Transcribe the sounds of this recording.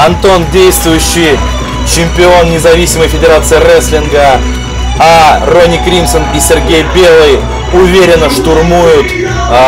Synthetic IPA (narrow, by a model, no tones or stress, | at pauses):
ɐnt̪o̞ndʲejst̪vʊjʉɕːɪj | t͡ɕɪmʲpʲɪo̞nnʲɪzɐvʲisʲɪməjfʲɪdʲɪɾat̪sɨɪrɛsʲlʲɪnɡə | aro̞nʲɪkɾʲimsənisʲɪrɡʲejbʲe̞lˠɨj | ʊvʲeɾʲɪnəʂt̪ʊrmujʊt̪